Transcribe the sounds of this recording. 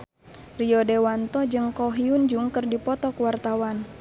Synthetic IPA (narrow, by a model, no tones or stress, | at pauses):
riɔdɛwant̪ɔd͡ʒɨŋkɔɦiund͡ʒuŋkərdipɔt̪ɔkwart̪awan